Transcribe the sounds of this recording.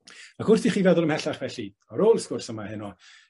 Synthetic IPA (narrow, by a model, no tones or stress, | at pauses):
aɡ̥ʊrsdiχiːvɛðʊlˠəmhɛɬaχvɛɬi | ɔɾoːlˠskʊrsəmahɪnɔ